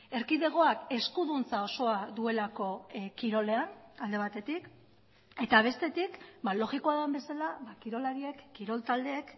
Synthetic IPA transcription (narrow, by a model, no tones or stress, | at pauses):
e̞ɾkiðe̞ɣ̞o̞ake̞skuðunt͡sao̞so̞aðue̞lako̞kiɾo̞le̞anald̪e̞β̞at̪e̞t̪ik | e̞t̪aβ̞e̞st̪e̞t̪ikbalo̞ɣikoaðembe̞salaβakiɾo̞laɾie̞kːiɾo̞lt̪ald̪e̞ːk